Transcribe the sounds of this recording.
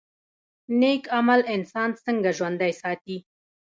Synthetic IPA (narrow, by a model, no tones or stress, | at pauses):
nekamalɪnsɑnsəŋɡaʒwand̪ajsɑt̪i